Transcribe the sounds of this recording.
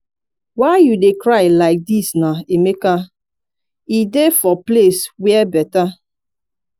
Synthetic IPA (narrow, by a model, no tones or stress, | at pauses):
waɪjudekɾaɪlaɪk̚disnaemeka | idefɔpleswɛbɛta